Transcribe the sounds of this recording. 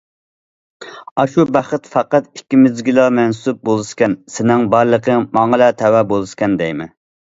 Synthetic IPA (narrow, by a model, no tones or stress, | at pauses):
ɑʃubæχət̪fɑqɑt̪ikʲːimɪzɡʲilˠɑmɛnsup̚bolˠɨʃkʲɛnsɪnɪŋbɑɾlˠəqʰəmɑŋəlɛt̪ʰɛwɛbolˠɨʃkʲɛnd̪ɛjmɪ